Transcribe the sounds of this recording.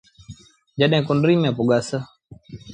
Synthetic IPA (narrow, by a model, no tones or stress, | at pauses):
d͡ʒəɗɦẽːkʊnɖɾiːmẽːpʊɠaːsə